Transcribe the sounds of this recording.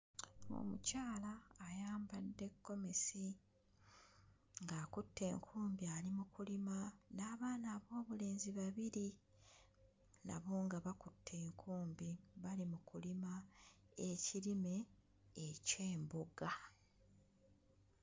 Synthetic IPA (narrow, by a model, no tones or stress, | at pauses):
o̰mucaːlaːjaːmbadːe̞kːo̞me̞si | ŋɡaːkutːe̞ːŋkʰuːmbialimukulimanaːβaːnaːβo̞ːβule̞ːnziβaβiɾi | na̰βoːŋɡaβakutʰːe̞ːŋkʰuːmbiβalimukulima | e̞cilime̞ː | ce̞ːmboɡa